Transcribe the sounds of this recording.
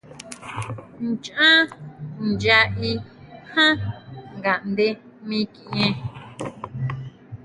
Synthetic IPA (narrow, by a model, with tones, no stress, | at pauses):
nt͡ʃã˦nd͡ʒa˧ʔi˧ | hã˦ŋɡa˨ʔnd̪e˦ | mĩ˦kĩ˨ʔẽ˧